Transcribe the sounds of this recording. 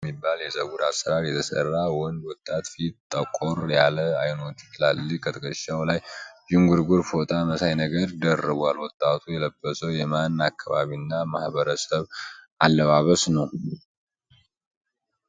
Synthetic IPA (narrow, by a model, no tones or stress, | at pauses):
mːibːaljɛzəɡuɾasəɾaɾjɛt̪ʰəsə̰rːawɔnwɔt̪ʼːat̪fit̪ʼːəkʼoɾjaləajnot̪lalːikʰət̪ʰəkʼəʃawlajd͡ʒɪŋɡuɾɡuɾfot̪ʼaməsajnəɡəɾd̪ərːɨβwalwɔt̪ʼːat̪ʰujɛləbːəsəwjɛmanːakʰːaβa̰βiɨnːamahβəɾəsəβʔalːəβaβəsnəw